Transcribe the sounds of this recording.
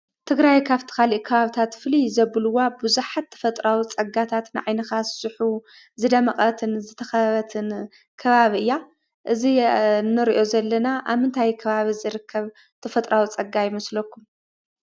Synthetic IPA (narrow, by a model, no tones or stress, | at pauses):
t̪ʰɨɡɾajkʰaβt̪ʰi̥kaliʔkʰɐβaβt̪ʰat̪fɨlizɐβɨlɨwabɨzuħat̪ʰːɐ̥fɐt̪ʼɾawit͡sʼɐɡat̪ʰat̪nɨʕajnɐxassɨħu | zɨd̪ɐmɐχʼɐt̪ʰɨnzɨt̪ʰɐxɐβɐt̪ʰɨn | kʰɐβaβiɨjːa | ʔɨzinɨɾiʔo̞zɐlːɐnaʔaβhɨnt̪ʰajkʰɐβaβizɨɾɨkʰːɐβ | t̪ʰɐfɐt̪ʼɾʔawit͡sʼɐɡajɪmɐslɐkːum